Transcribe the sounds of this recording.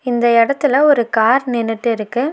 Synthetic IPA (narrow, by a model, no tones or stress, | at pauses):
ɪnd̪ɐɛɽɐt̪ːɪlɐɔɾɯkaːɾnɪnːɪʈːɯɪɾɯkːɯ